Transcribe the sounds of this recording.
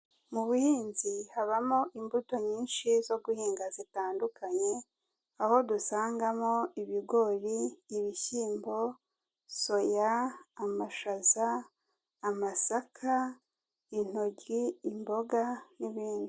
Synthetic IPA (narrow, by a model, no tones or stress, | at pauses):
muβuhiːnzihaβamo̞ʔimbuto̞ɲiːnʃizo̞ɡuhiːŋɡazitaːndukʰaɲe̞ | aho̞dusaːŋɡamo̞iβiɡo̞ɾiːβiçiːmbo̞ | so̞jaːmaʃazaː | masakʰa | in̥o̞ɟiːmbo̞ɡaniβiːndu